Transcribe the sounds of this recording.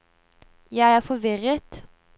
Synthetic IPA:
jæɪæːfɔʋɪʁət̪

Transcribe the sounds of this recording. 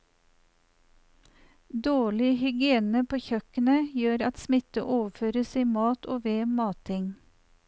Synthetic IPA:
d̪oːɭɪhʏɡɪeːnəpʰoːçœkənəjøːɾɑt̪smɪt̪əʔoːʋəføːɾəsiːmɑːt̪ʰoːʋeːmɑːt̪ʰɪŋ

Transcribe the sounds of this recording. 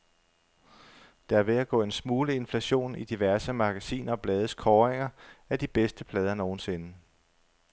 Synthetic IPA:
d̥ɑ̈æɐʋe̝æɡ̥ɔ̰ːe̝nsmuːləe̝nflæɕo̝̰ːnid̥iʋæɐsəmɑ̈ɡ̥æsḭːnɐɒ̽b̥lɛːð̞ˠəskʰɒːʁeŋɐæd̥ib̥esd̥əpʰlɛːð̞ˠɐno̝ːn̩se̝nə

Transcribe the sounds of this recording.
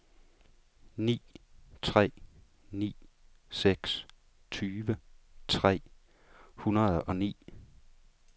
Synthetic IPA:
nḭːt͡sʰʁɛ̰ː | nḭː | seɡ̥s | t͡sʰyːʋət͡sʰʁɛ̰ː | hunɐð̞̩ˠɒ̽nḭː

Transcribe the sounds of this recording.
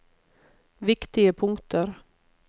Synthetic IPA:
vɪkt̪ɪɡəpʰɵŋkt̪ʰəɾ

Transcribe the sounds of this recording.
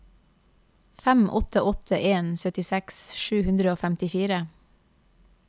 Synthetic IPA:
fæmʔɔ̰t̪ʰəʔɔt̪ʰəʔeːnsœt̪ɪsɛksʃʉːhʉnd̪ɾəoːfæmt̪ɪfiːɾə

